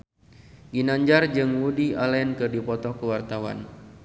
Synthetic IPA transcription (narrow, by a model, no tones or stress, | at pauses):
ɡinaɲd͡ʒard͡ʒɨŋwudialɛnkɨrdipɔt̪ɔkəwart̪awa̰n